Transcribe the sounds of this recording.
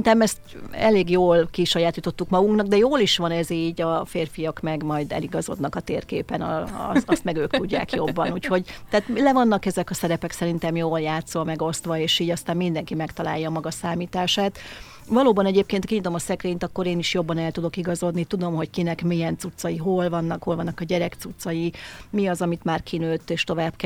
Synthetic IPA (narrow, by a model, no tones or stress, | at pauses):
nt̪ɛmɛst̪ɛleːɡjoːlkiʃɒjaːt̪iːt̪o̞t̪ːukmɒɡuŋknɒɡ̚d̪ɛjoːliʃʋɒnɛziːɟɒfeːrfijɒkmɛɡmɒjd̪ɛ̰liɡɒzo̞̰d̪nɒkɒt̪eːrkeːpɛn̰st̪ɒst̪mɛɡøːkt̪uɟːa̰ːkjo̞bːɒnuːcho̞ɟt̪ɛːt̪lɛvɒnːɒkɛzɛkɒsɛɾɛpɛksɛɾint̪ɛmjoːljaːt̪sɒmɛɡo̞st̪ʋɒeːʃiːɟɒst̪aːmmind̪ɛŋkimɛkt̪ɒla̰ːjɒːmɒɡɒsaːmiːt̪aːʃaːt̪ | vɒloːbɒnɛɟeːp̚keːnt̪kiɲit̪o̞mɒsɛkɾeːɲt̪ɒkːo̞ɾeːniʃjo̞bːɒnɛlt̪ud̪o̞kiɡɒzo̞d̪nit̪ud̪o̞mɦo̞ckinɛkmijɛnt̪sut̪sɒjiɦo̞lvɒnːɒkho̞lvɒnːɒkɒɟɛɾɛkt̪sut̪sːɒjimiɒzɒmit̪maːrkʰinøːt̪ːeːʃt̪o̞vaːbk